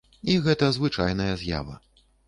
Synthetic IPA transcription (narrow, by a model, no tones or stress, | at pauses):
iɣɛt̪ɐzvɨt͡ʂa̰jnɐjɐzʲja̰vɐ̰